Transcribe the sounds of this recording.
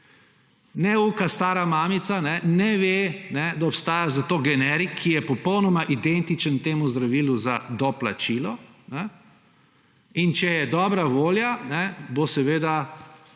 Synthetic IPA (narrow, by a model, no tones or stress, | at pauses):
nɛukast̪aːɾamaːmit̪sanɛnɛʋenɛd̪aɔpst̪aːjazat̪oːɡɛnɛɾikʰːijɛpɔpɔwnɔmaʔid̪ɛnt̪it͡ʃənt̪eːmuzd̪ɾaʋiːluzad̪ɔpla̰t͡ʃiːlɔnɛ | int͡ʃɛjɛd̪ɔːbɾaʋoːljanɛbosɛʋeːd̪a